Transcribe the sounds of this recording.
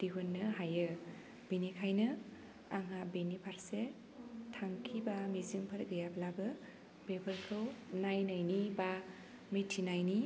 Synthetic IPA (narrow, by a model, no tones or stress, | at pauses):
d̥iɦunːɯɦajɯ | b̥inikʰajnɯ | aŋabenipʰaɾse | tʰaŋkʰibamizɯŋpʰɯɾɡɯjaplabɯ | bebʰɯɾkʰɯwnajnajniba | mitʰinajni